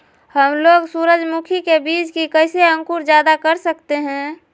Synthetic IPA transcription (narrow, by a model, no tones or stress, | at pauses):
həmloːɡsuːɾəd͡ʒmukʰikebiːt͡ʃkikəɪseə̃ŋkuɾd͡ʒjaːd̪akəɾsək̚t̪eɦɛ̃ː